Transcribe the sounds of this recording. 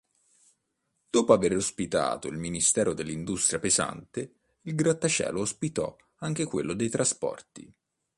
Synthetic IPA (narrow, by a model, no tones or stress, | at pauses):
d̪̥oːpoaverospit̪a̰ːt̪oilminist̪ɛːɾod̪elːind̪ust̪ɾjapeza̰nt̪e | ilɡɾat̪ːat͡ʃɛ̰ːloospit̪ɔ̰ | aŋk̟ekwelːod̪ejt̪ɾʔaspɔ̰rt̪ḭ